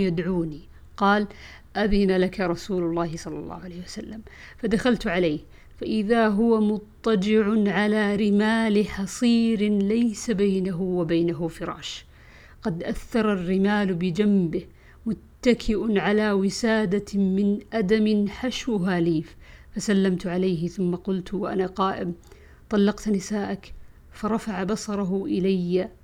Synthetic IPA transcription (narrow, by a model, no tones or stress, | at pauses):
jad̪ʕuːni | qɑːl | ʔaðɪnalakaɾˤɑsuːlʊlˤːɑːhɪsˤɑlːɑ̰lːɑ̰ːhʊʕaleːhwasalːamfad̪axalt̪ʕalejh | faʔɪðaɦʊwamʊt̪ˤːɑd͡ʒɪʕʊnʕalaːɾɪmaːlɪħɑsˤiːɾɪlajsabajnaɦʊwabajnaɦʊfɪɾˤɑ̰ːʃ | ɡɑd̪ʔaθːɑɾˤɑrːɪmaːlbɪd͡ʒambɪh | mʊt̪ːakʰɪʔʊnʕalawɪsaːd̪amɪnʔad̪amɪnħaʃwʊɦaːliːffasalːamt̪ʕalaːɦɪθʊmːaqʊlt̪waʔa̰naqɑːʔɪm | t̪ˤɑlːɑqt̪nɪsaːʔak | fɑɾˤɑfaʕabɑsˤɑɾˤɑɦʊʔɪlajːa